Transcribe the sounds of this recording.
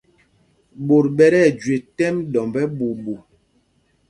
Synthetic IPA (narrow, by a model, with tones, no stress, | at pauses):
bo˨ɾɓɛ˦ɾɛ˦˨d͡ʒwe˨tɛ˦mdɔ˨mbɛ˦ɓo˨bo˨